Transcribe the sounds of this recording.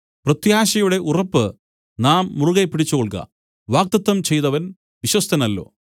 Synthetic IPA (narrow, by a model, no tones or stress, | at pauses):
prɐt̪jaːɕɐjuɽe̞ʔurɐpːɨ | naːmːuruɣɐpːiɽit͡ɕːukoɭkɐ̰ | ʋaːk̚t̪ɐt̪ːɐmt͡ɕe̞jt̪ɐʋɐn | ʋiɕwɐst̪ʰɐnɐlːo̞̰ː